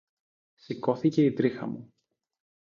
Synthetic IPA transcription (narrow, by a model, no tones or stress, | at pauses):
siko̞θice̞it̪ɾixɐ̰mu